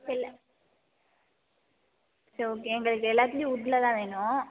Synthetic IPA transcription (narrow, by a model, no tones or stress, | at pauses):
ɪlːɐ | sooːk̬eɛŋɡɐɭɯkːɯɛlːaːt̪ːɪj̃ʊʈːlɐt̪ãːʋeːnʊ̃